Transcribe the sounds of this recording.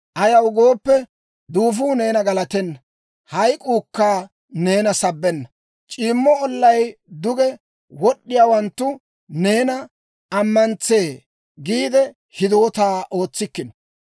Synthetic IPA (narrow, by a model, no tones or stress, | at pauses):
ʔɐjɐwɡoːpːɛ | d̪uːf̬uːne̞ːnɐɡɐlɐt̪ɛnːɐ | hɐjkʼuːkːaː | ne̞ːnɐsɐbːɛnːɐ | t͡ʃʼiːmːɔɔlːɐjd̪ʊɡɛ | wɔɗːɪjaːwɐnt̪ːʊ | ne̞ːnɐ | ɐmːɐnt͡se̞ː | ɡiːd̪ɛ | hɪd̪o̞ːt̪aːʔo̞ːt͡sːɪkːɪnɔ̥